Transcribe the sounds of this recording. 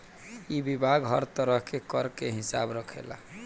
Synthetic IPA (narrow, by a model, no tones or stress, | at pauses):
ibibʱaɡɦəɾt̪əɾəɦkekəɾkeɦisabɾəkʰḛla̰